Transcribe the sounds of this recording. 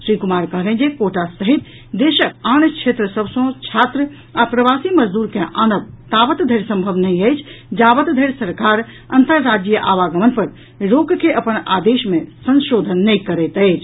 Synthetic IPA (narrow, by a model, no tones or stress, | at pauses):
sɾikumaɾkəɦlɛ̃nd͡ʒekoʈasəɦit̪ | d̪eʃək̚ant͡ʃʰet̪ɾəsəbʱsə̃t͡ʃʰat̪ɾə | apɾəʋasiməd͡ʒd̪uɾkeʔanəb̚t̪abət̪d̪ʱəjɾsə̃mbʱəbnəjəjt͡ʃʰd͡ʒabət̪d̪ʱəjɾsəɾkaɾ | ə̰nt̪əɾːad͡ʒijəʔaʋaɡəmənpəɾ | ɾoɡkeʔəpəna̰d̪eʃmesə̃nʃod̪ʱənːəjkəɾɛt̪əɪt͡ʃʰ